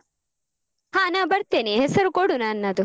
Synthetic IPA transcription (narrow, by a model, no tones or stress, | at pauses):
haːnaːbɐɾt̪ɛnihɛsɐɾʊkɔɽʊnɐanːɐd̪ʊ